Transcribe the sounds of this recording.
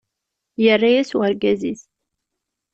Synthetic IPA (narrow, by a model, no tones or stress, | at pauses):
jərːajæswəɾɡæziθ